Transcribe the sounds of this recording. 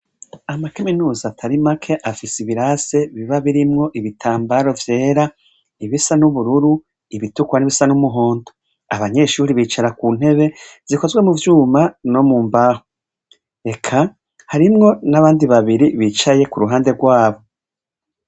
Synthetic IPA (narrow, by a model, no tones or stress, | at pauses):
amakaminuːzaːtʰaɾimakʰe̞ʔafisiβiɾaːseβiβaβiɾimŋo̞ʔiβitʰaːmbaɾo̞vje̞ːɾa | iβisanuβuɾuɾu | iβitukuwaniβisanumuɦo̞ːndo | aβaɲe̞ʃuːɾiβit͡ʃaɾakuːn̥he̞βe̞z̥iko̞zwe̞muvjuːmano̞muːmbaho | e̞kʰa | haɾimŋo̞naβaːndiβaβiɾiβit͡ʃaje̞kuɾuɦaːnde̞ɡwaːβo̞